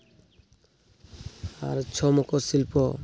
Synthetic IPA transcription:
a̰ɾt͡ʃʰɔmɔkɔsilpɔ

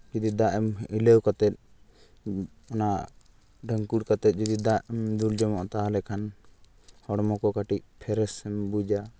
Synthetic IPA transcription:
d͡ʒid̪id̪aʔɛmiləwkat̪ɛt̪̚ | ɔnaʔ | ɖəŋkuɽkat̪ɛt̪̚ˀd͡ʒid̪id̪aʔmd̪uld͡ʒɔmɔʔt̪aalɛkʰan | hɔɽmɔkɔkaʈic̚pʰɛɾɛsɛmbud͡ʒa

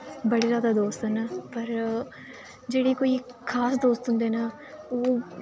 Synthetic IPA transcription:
bəɽiːzaːd̪aːd̪oːst̪ənapəɾ | d͡ʒeːɽiːkoːiː | kʰaːsd̪oːst̪ɦʊ̃nd̪eːna | oː

